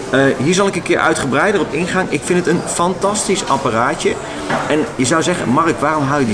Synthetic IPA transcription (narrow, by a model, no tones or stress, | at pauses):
əɦiːɹzɑlˠɪkənkɪːɹʔœ̰ɥtχəbrɛjdənɔpɪnχaːnʔɪkfɪntətənfɑntɑstisɑparaːtə | ʔɛnjəzʌwzɛχə̰nmɑrəkʋaːrɔmɦawjəd